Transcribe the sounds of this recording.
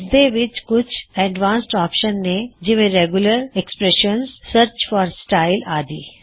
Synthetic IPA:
sd̪eʋɪt͡ʃkʊt͡ʃʰɛɖʋãːnsʈɔːpʃənːed͡ʒɪʋẽɾeːɡʊləɾɛkspɾɛʃənzsəɾt͡ʃfɔːɾsʈaːɪlaːd̪iː

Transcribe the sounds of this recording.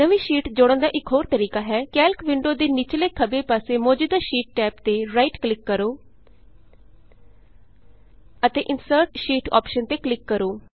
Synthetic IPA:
nəʋĩːʃiːʈd͡ʒoːɽə̃nd̪aːʔɪkɦoːɾt̪əɾiːkaːɦɛːkɛːlkʋɪɳɖoːd̪eːnɪt͡ʃleːkʰəbeːpaːseːmoːd͡ʒəd̪aːʃiːʈ̚ːɛːpt̪eːɾaːiʈklɪkːəɾoː | ət̪eːʔɪnsəɾʈʃiːʈɔ̰ːpʃənt̪eːklɪkːəɾoː

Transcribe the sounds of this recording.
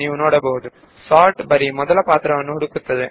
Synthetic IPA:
iːʊnːoːɽɐboːɯðɯ | saːʈbɐɾimɔðɐlɐpaːt̪ɪɾɐʋɐnːɯʊɽɯkːɯt̪ːɐðɯ

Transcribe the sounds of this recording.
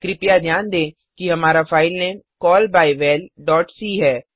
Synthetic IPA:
kɾɪpjad̪ʱjaːnd̪ẽː | kiɦɐmaːɾafaːɪlnɛ̃ːnkɔːlbaːiʋɛːlɖɔːʈsiːɦɛː

